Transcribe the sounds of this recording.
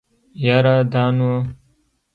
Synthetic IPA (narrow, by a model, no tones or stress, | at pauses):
jaɾad̪aːnwa